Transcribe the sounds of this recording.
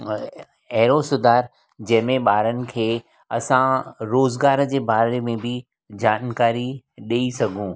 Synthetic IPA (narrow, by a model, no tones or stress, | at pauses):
ɛɦɾosʊd̪ʱaːɾ | d͡ʑɐ̃ɦɪ̃mẽɓaːɾənɪ̆kʰeː | ɐsãɾoːzɡaːɾd͡ʑeːbaːɾemẽbɪ | d͡ʑaːnkaːɾiɗiisɐɡʱũ